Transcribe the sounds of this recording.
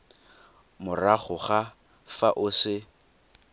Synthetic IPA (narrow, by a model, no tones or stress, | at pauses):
mʊraχʊχa | faʔʊsɪ